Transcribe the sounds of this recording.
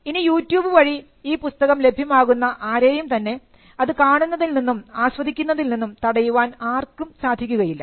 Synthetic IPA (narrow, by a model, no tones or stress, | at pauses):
inijuːtːjuːbɨʋɐɻi | iːpust̪ɐɣɐmle̞bʱjɐmaːɣunːɐʔaːɾeːjumt̪ɐnːe̞ | ɐðɨkaːɳunːɐðilninːumaːsʋɐd̪ʱikʲːunːɐðilninːumt̪ɐɽɐjuʋaːnaːrkːumsaːd̪ʱikʲːuɣɐjilːɐ̰